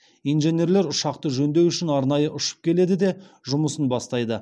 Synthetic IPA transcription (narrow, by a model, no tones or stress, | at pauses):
ijnʒe̞nʲe̞ɾle̞ɾʊʃɑqt̪əʒɵnd̪e̞wʏʃɪnɑɾnɑjəʔʊʃə̥p̚kʲʰe̞le̞d̪ɪd̪e̞ | ʒʊməsənbɑst̪ɑjd̪ə